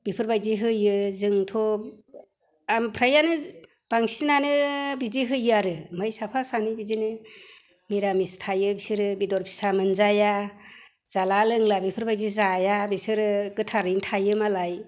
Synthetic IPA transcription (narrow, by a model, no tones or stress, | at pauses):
bipʰɯɾbajziɦɯjɯzɯŋtʰɔ | ampʰɾajanɯ | b̥aŋsinanɯbiziɦɯjaɾɯmɯjsapʰasanibizinɯ | miɾamistʰajɯbisiɾɯbidɔɾpʰi̥samɯnzaja | z̥alalɯŋlabipʰɯɾbajzizajabisɯɾɯɡɯtʰaɾɯntʰajɯmalaj